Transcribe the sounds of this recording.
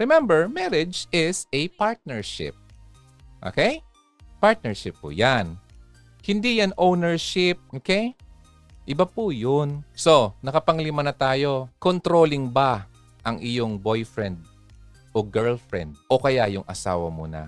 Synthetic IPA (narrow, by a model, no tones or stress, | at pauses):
ɹɪmɛmbɛɹmɛɾɪd͡ʒɪsɛpaɹt̪̚nɛɹʃɪ̰p̚ | ʔo̰ːkej | paɹt̪̚nɛɹʃɪpːʊ̰jan | hɪnd̪ijanʔownɛɹʃɪp̚ʔoːkej | ʔɪbapujonso̞nɐkɐpɐŋlimɐnɐt̪aːjo̞kont̪ɾo̞ːlɪŋba | ʔɐŋʔɪjoŋbo̞jfɹɛnd̪̚ | ʔoɡɛɹlfɹɛ̰nd̪̚ʔo̞kɐjajʊŋʔɐ̰sa̰ːwɐ̰mṵnɐ̰